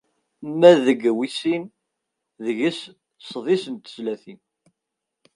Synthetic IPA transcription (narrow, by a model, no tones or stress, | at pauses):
mːæðəɡwisin | ðəʝis | sˤðˤisənt̪ə̥zlæθin